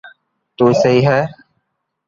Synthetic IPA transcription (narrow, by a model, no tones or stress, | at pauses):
t̪uːsəɦiːɦɛː